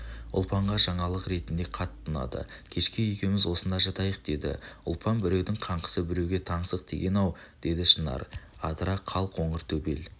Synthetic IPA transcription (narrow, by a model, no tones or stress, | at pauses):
ʊ̰lˠpɑɴʁɑʒɑɴɑlˠəqɾe̞t̪ɪnd̪e̞qʰɑt̪ʰːʊnɑ̰d̪ə̰kʲʰe̞ʃkʲɪjekʲe̞mɪzwo̞sənd̪ɑʒɑt̪ɑjəq̚d̪e̞d̪ɪ̰ʊ̰lˠpʰɑnbɪɾe̞wd̪ɪŋqʰɑɴqə̥səbɪɾe̞wɡʲe̞t̪ʰɑɴsəq̚t̪ʰḛɡʲe̞nɑw | d̪̥e̞d̪ɪʃənɑ̰ɾ | ɑd̪ɾɑqʰɑlˠqoɴəɾt̪ʰɵbe̞̰l